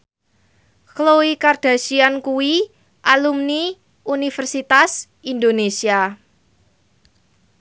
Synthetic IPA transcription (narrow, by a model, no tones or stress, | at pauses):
kloikard̥a̤ʃiankuwi | ʔalumni | unifərsit̪as | ind̪onesia